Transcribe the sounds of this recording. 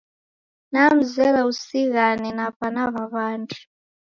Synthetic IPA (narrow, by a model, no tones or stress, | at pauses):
nam̩zɛlausiɣaninapanaβaβaːntʰu̥